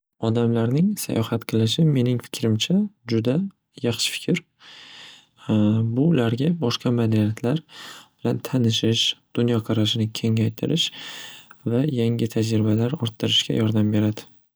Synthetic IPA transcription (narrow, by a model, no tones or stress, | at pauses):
ɒd̪amlaɾnɪŋsa̰jɒhɑt̪qʰɨlˠɪʃ̬ɪme̞nɪŋfɪ̥kʲʰɾɪmt͡ʃʰad͡ʒʊd̪a | jɑχʃɪ̥fɪ̥kʲʰɪɾ | bʊlaɾɡʲabɒʃqɑmad̪anijat̪ʰlaɾb̥ɪlant̪ʰanɪʃɪʃd̪̥ʊnjɒqʰɑɾaʃɪnɪkʲʰe̞ŋajt̪ʰɪɾʔɪʃ | vajaŋʲɪt̪ʰad͡ʒɾɪbalaɾɒɾt̪ʰːɨɾɪʃkʲa̰jɒɾd̪ambe̞ɾad̪ɪ